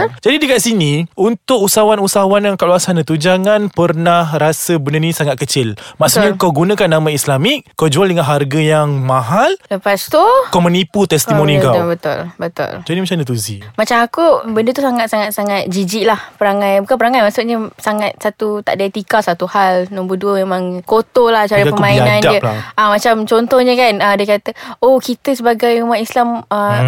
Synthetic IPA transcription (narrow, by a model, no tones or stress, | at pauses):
d͡ʒadidikaʔsinĩunt̪ʊk̚usawanusawanjaŋkaʔ̚luasanət̪ud͡ʒaŋanpərnahɾasəbənənĩsaŋat̪̚kət͡ʃɪlmaʔsuɲakawɡunə̃kanːãmaislamik̚kːəd͡ʒualdəŋanɦarɡajaŋmãɦalləpast̪ukaməniput̪ɛst̪imonikabət̪ʊ̰lbət̪ʊ̰ld͡ʒadimat͡ʃamnət̪̬uzimat͡ʃamakubəndət̪usaŋat̪̚saŋat̪̚saŋat̪̚d͡ʒid͡ʒiʔlahpəɾaŋãjbukanpəɾaŋajmasuʔ̚ɲəsaŋat̪̚sat̪ut̪a̰ʔdiat̪ikasat̪uhalnɔmbəduəmemãŋkot̪olaht͡ʃaɾapəmainãndiəamat͡ʃamt͡ʃɔnt̪ɔhɲəkanədəkat̪əokit̪əsəbaɡajumat̪islamə